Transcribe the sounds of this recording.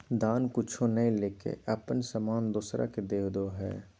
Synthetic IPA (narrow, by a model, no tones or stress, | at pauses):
d̪aːnkʊt͡ʃʰonəĩleːkḛʔɐpənsəmaːnd̪usɾʔa̰ked̪eːkd̪oɦɛ̰ː